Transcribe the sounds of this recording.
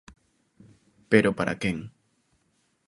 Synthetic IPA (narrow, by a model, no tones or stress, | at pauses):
peɾopaɾʔa̰keŋ